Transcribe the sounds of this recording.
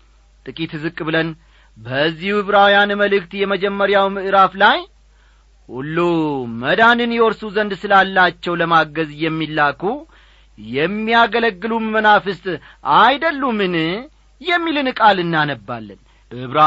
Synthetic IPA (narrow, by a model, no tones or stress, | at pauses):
t̪ʼɨkʼit̪zɨkʼːbɨlən | bəzːihuhɨβɾawjanməlɨk̚t̪jɛməd͡ʒɛmːəɾjawmɨʔɨɾaflaj | hṵlːoməd̪anɨnjɛwɔɾsuzənd̪sɨlalːat͡ʃːɛwləmaɡəzjɛmːilːakʰu | jɛmːijaɡələɡːɨlumənafɨst̪ʼ | ajd̪əlːumɨn | jɛmːilɨnkʼalɨnːanəbːa̰lːən | hɨβɾa